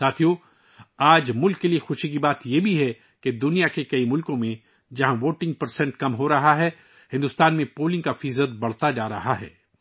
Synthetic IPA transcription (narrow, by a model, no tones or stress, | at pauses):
saːt̪ʰijo | aːd͡ʒmʊlkːeliexʊʃik̬ibaːt̪jebʱiɦɛ | ked̪ʊnijakekɐimʊlkõmẽ | d͡ʒɐɦãʋoːʈɪ̃ŋɡ̚pɐɾsɛ̃ɳʈkɐmɦoɾɐɦaɦɛː | hɪ̃nd̪ʊst̪aːnmẽpoːlɪ̃ŋɡkafɪzət̪̚bɐɽ̤t̪ad͡ʒaːɾɐɦaɦɛ̰ː